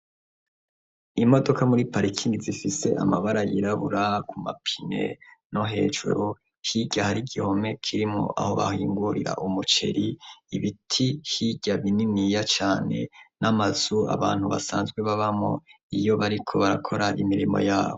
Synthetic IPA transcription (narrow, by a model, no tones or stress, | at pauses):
imo̞do̞kamuɾipaɾikʰiŋɡizifise̞ʔa̰maβaɾajiɾaβuɾakumapʰi̥ne̞̰no̞ɦe̞̰ːʒṵɾu | hiɟahaɾiɡiho̞me̞kʰiɾimŋo̰ʔa̰ho̞βa̰hiːŋɡuɾiɾa̰ʔumut͡ʃe̞̰ɾiiβitʰihiɟaβininijat͡ʃaːne̞̰namaz̥ua̰βaːnhuβa̰saːnzɡwe̞βaβamŋo̰ | ijo̞βaɾikʰo̞βaɾakʰo̞ɾaʔimiɾimo̰jaːβo